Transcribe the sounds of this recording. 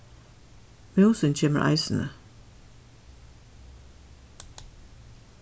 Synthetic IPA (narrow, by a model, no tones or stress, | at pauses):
mɑʊsənc͡çeːmə̰ɾʔæ̰ɪsn̩ə